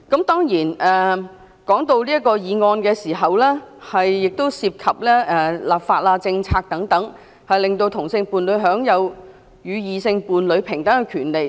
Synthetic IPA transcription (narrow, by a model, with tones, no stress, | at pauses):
kɐ˨˥mt̪ɔː˥ŋjiː˨˩nɛː˨ | kɔː˨˥ŋt̪o˧wliː˥kɔː˧jiː˨˧ŋɔː˧nkɛː˧siː˨˩ɦɐ˨wlɛː˥hɐ˨jːɪ˨k̚t̪o˥wsiː˧p̚kʰɐ˨p̚lɛː˥ʔɛː˨˩laː˨˩p̚faː˧t̚aː˧t͡sɪ˧ŋt͡sʰaː˧k̚t̪ɐ˨˥ŋt̪ɐ˨˥ŋ | hɐ˨jlɪ˨ŋt̪o˧wt̪ʰʊ˨˩ŋsɪ˧ŋpuː˨nlɵ˨˧ɥɦœː˨˥ŋjɐ˨˧w | jyː˨˧jiː˨˧sɪ˧ŋpuː˨nlɵ˨˧˥ɥpʰɪ˨˩ŋt̪ɐ˨˥ɛ˧kʰyː˨˩nle˨j